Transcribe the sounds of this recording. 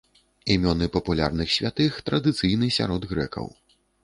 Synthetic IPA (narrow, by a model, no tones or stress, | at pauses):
imʲɔnɨpɐpulʲa̰rnɨxsʲvʲat̪ɨxt̪ɾɐd̪ɨt̪sɨjnɨsʲa̰ɾɔd̪ɣɾɛ̰kɐ̰w